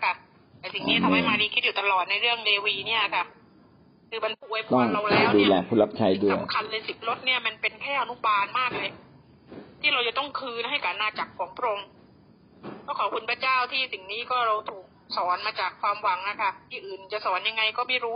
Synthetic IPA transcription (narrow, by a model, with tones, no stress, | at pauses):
kʰa˧˩ | t̪ɛː˨˩si˨˩ŋniː˦˥t̪a˧mha˥˩jmaː˧diː˧kʰi˦˥t̪̚juː˨˩t̪a˧lɔː˨˩t̪̚na˧jɾɯ˥˩əŋleː˧wiː˧ni˥˩ɐ˨˩kʰa˧˩ | kʰɯː˧ma˧npʰu˧əjpʰt̪ɔ˥˩ŋla˧wlɛː˦˥wduː˧˨˧lɛː˧kʰu˦˥˩la˦˥p̚t͡ɕʰa˧˥jdu˥˩sa˨əjmkʰa˧nlɤː˧jsi˨˩p̚lo˦˥t̪̚ni˥˩ɐma˧npe˧nkʰɛː˥˩ʔa˧nu˦˥baː˧nmaː˥˩k̚le˧˩ | t̪ʰiː˥˩ɾa˧wt͡ɕa˨˩t̪ɔ˥˩ŋkʰɯː˧na˦˥ɦha˥˩jka˨˩ʔnaː˧˩t͡ɕa˨˩kʰːɔː˩˦ŋpɾo˧ŋ | kʰɔː˦˥˩kʰɔː˨˩p̚kʰu˧npʰa˧˥˩t͡ɕaː˥˩wt̪ʰiː˥˩si˨˩ŋniː˦˥˩kɔː˥˩ɾa˧wt̪ʰuː˨˩k̚sɔː˩˦nmaː˧t͡ɕaː˨˩kʰːwaː˧mwa˧ŋna˦˥kʰa˧˥˩t̪ʰiː˥˩ʔɯː˨˩nt͡ɕa˨˩sɔː˩˦nja˧ŋːa˧jkɔː˥˩ma˥˩jɾuː˦˥